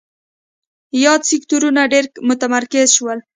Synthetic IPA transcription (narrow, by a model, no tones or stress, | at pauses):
jɑd̪sɪkt̪uɾunaɖeɾmʊt̪amaɾkɪzʃwəl